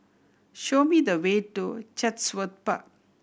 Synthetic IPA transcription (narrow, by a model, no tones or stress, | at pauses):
ʃoːmiːd̪əʋeːʈːut͡ʃɐt̪sʋət̪̚pɐ̰